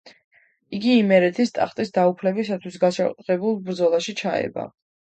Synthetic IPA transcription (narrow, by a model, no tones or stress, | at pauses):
iɡiːmɛɾɛt̪ʰist̪ʼa̰χt̪ʼisd̪aupʰlɛbisat̪ʰwisɡaʃakʼt̪ʼʁɛbulˠbɾd̪zɔlˠaʃit͡ʃʰaɛ̰ba̰